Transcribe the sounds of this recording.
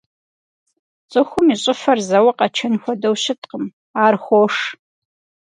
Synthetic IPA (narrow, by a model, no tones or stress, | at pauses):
t͡sʼɨxʷʊmiɕʼɪfɐrzɐwɐqɐt͡ʃʰɐnxʷɔdɐwɕɪtʰʼqəm | aːrxʷoʂ